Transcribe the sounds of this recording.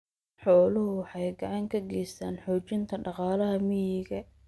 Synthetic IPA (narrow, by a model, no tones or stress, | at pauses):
ħɔːlʊhʊwɑħɑjɡɑʕɑŋkʰɐɡɛjst̪ʰaːnħɔːt͡ʃɪnt̪ʰɐɖɑqɑːlɐɦɐmɪjɪɣɐ